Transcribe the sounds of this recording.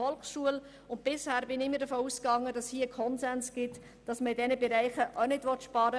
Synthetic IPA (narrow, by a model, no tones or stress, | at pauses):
ɔlksʃuəl | ʊnt̚b̥ɪshæːɾbɪnɪmədəfoːuskɑŋːədɑshiːəkʰɔnzɛnsɡ̥ɪt | d̥ɑsməidɛnəbɛɾæɪχəʔɔnɪdʋɔt̪ʃpɑɾə